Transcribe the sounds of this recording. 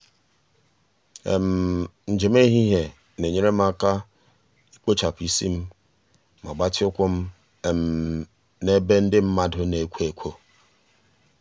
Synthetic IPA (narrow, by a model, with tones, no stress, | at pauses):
ḛ˨m̩˨n̩˨d͡ʒe˨me˦i˦ɦi˦ɦe˨ | ne˨ɲe˦ɾe˦m̩˦a˦ka˦ | i˦k͡po˦t͡ʃa˨pi˦si˦m̩˦ | ma̰˨ɡ͡ba˦t͡ʃɪ˦ʊ˦kʷʊ˦m̩˦ | e˨m̩˨ | ne˦be˦n̩˦dɪ˦m̩˦ma˦dʊ˦ne˨kʷe˨kʷʰo˦